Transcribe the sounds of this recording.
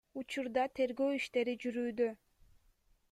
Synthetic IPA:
ut͡ʃuɾd̪ɑt̪ʰe̞ɾɡøːiʃt̪e̞ɾid͡ʒyɾyːd̪ø

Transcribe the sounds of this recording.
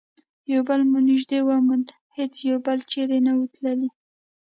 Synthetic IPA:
jawbəlmuniʒd̪ewəmund̪ | het͡sjawbəlt͡ʃeɾenawət̪ləli

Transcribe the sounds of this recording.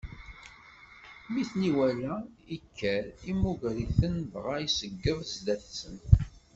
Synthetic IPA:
miθniwælæikʰːæɾimuʝɾiθənvʁajisəɡːəðzd̪æθsən

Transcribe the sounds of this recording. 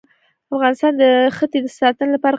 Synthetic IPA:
afɣɑnɪst̪ɑnd̪əxət̪ed̪əsɑt̪ənlapɑɾa

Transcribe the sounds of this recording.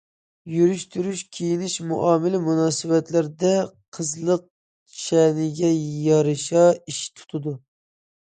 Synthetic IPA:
jyɾyʃt̪yɾyʃkʲʰejinɪʃmṵʔɑːmɪlɪmunɑːsɨwɛt̪læɾd̪ɛqʰəzlˠəq̚ | ʃɛnɪɡʲɛjɑɾɨʃɑiʃt̪ʰu̥t̪ʰɨd̪u

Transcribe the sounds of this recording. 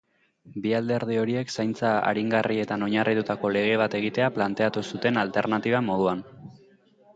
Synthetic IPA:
biald̪e̞ɾð̞io̞ɾie̞ksajnt͡saa̰ɾiŋɡarie̞t̪ano̞ɲarʔit̪ut̪ako̞le̞ɣ̞e̞β̞at̪e̞ɣ̞it̪e̞aplant̪e̞at̪usut̪e̞nalt̪e̞ɾnat̪iβ̞amo̞ð̞uan

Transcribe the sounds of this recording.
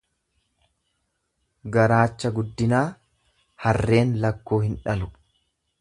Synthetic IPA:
ɡɐɾaːt͡ʃːɐɡʊd̪ːɪnaː | hɐrːe̞ːnlɐkːoːhɪnᶑɐlʊ

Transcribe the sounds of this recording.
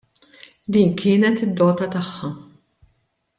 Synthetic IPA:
d̪iːnkʰɪːnɛt̪ɪd̪ːɔːt̪ɐt̪ɐħːɐ

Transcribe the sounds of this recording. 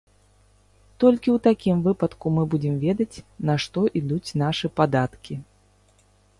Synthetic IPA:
t̪ɔlʲkʲiwt̪akʲimvɨpɐt̪kumɨbud͡zʲɪmvʲɛd̪ɐt͡sʲnɐʂt̪ɔʔid̪ut͡sʲn̪aʂɨpad̪at̪kʲi

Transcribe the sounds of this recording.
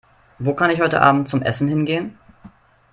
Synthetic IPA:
voːkʰanɪçhɔʏtə̰ʔa̰ːbm̩t̚t͡sʊmʔɛ̰sn̩hɪnɡeːən

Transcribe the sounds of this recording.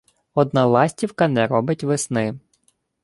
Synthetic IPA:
ɔd̪̚nɑlˠɑsʲtʲiwkɐnɛɾɔbɪtʲʋɪsnɪ

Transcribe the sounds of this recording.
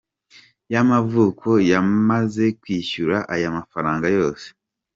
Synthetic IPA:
jamavuːkʰo̞jamaze̞kwiːʃuɾaʔajamafaɾaːŋɡajo̞ːse̥

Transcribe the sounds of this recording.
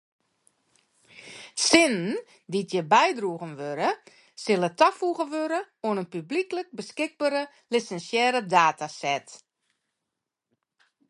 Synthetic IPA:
sɪnn | ditʰjəbɛjdruəɣənʋøɾə | sɪlˠətʰafuɣənʋøɾə | oənənpybliklək̚bəskɪɡ̚baːɾə | lisɛnsjɛːɾədaːtʰasɛt

